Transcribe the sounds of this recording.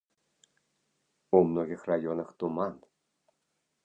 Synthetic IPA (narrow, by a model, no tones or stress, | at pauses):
umnoɣʲɪxrajonɤxt̪umɑn